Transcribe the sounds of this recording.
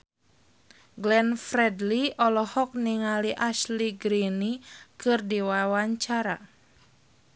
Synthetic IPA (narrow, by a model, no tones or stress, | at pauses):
ɡlɛnfɾɛdliɔlɔhɔk̚niŋaliʔaʃliɡɾinikɨrdiwawaɲt͡ʃaɾa